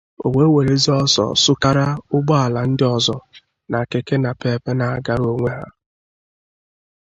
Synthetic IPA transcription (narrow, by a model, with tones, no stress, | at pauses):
o̰˨we˨˦we˨ɾe˦zi˦ɔ˦sɔ̰˨sʊ˦ka˦ɾa˦ʊ˦ɡ͡bɔ˦a˨la˨n̩˦dɪ˦ɔ˨zɔ˨ | na˨ke˨ke˦na˨pe˨˦pe˦na˨a˨ɡa˨ɾo˦ŋʷe˦ɦa̰˦